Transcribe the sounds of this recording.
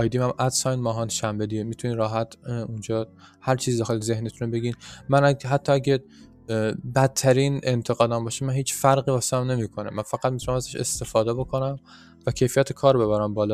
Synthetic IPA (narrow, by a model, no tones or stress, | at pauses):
ɒjd̪imæmʔæd̪sɒjnmɒːɦɒːnʃæmbed̪iɡemiːt̪ʰuniːɾɒːɦæt̪ʰund͡ʒɒː | hæɾt͡ʃʰiziːd̪æxelzehnet̪ʰunobe̞ɡiːnmænæɦæt̪ʰːɒːæɟe | bæt̪ʰːæɾiːnent̪ʰe̞ɣɒːd̪æmbɒːʃemænɦiːt͡ʃfæɾɣiːvɒːsehæmne̞miːkʰonemænfæɣæt̪̚mit̪unæmæzæʃest̪e̞fɒːd̪ebo̞kʰo̞næm | væcʰe̞jfijæt̪ʰekʰɒːɾbe̞βæɾæmbɒːlɒ